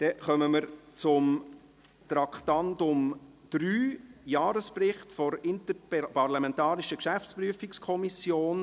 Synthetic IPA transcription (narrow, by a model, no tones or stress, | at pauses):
d̥ɛχœməməɾt͡sʊm | tɾɑkʰtɑntʊm | d̥ɾyːjɑːɾəsprɪχtfɔɾɪntəppɑɾlɑmɛntɑːɾɪʃəkʃæft͡spɾyəfikskʰɔmisjoːn